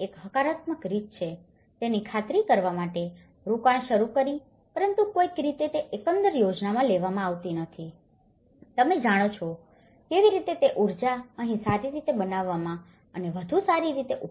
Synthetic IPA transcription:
ekɦəkaɾat̪məkɾit̪̚t͡ʃʰe | t̪enikʰat̪ɾikəɾʋamaʈe | ɾukaɳʃəɾukəɾi | pəɾənt̪ukoikɾit̪et̪eʔekə̃nd̪əɾjod͡ʒnamãleʋamãaʋt̪inət̪ʰi | t̪əmed͡ʒaɽ̃ot͡ʃʰɔ | keʋiɾit̪et̪eʔuɾd͡ʒaəɦĩsaɾiɾit̪ebənaʋːamã | əneʋəd̪ʱusaɾiɾit̪eʔu

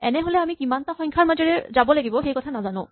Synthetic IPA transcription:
ɛ̰nɛɦolɛamikimantaxɔ̃ɲkʰaɹmazɔɹɛzabɔlaɡibɔxejkɔtʰanazanʊ̰̃

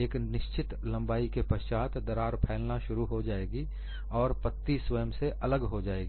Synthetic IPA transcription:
eːknɪʃt͡ʃɪt̪lɐ̃mbaːikepɐʃt͡ʃaːt̪d̪ɐɾaːɾpʰɛːlnaʃʊɾuɦod͡ʒaːeːɡi | ɔːɾpət̪ːiswəjəmseʔɐləɡɦod͡ʒaːeːɡ

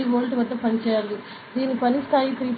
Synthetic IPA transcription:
iʋoːlʈʋɐd̪ːɐpɐnit͡ʃɛːjaːli | d̪iːnipɐnist̪ʰaːjit̪ɾiːp

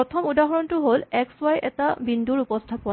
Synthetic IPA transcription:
ɔtʰɔmudaɦɔɹɔntʊɦolɛkswajʔɛtabindʱuɹupɔstʰapʊa

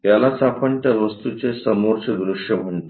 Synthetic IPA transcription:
t̪jalasapʰəɳʈ̪jaʋəst̪ut͡sesəmoɾt͡ɕed̪ɾuʂjəm̤əɳt̪o

